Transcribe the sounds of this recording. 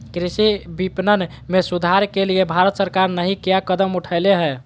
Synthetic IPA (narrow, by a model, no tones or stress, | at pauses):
kɾisibipnən | mesud̪ʱaɾkelijebʱaɾət̪səɾkaɾnəɦĩkjakəd̪əmuʈʰəɪleɦɛ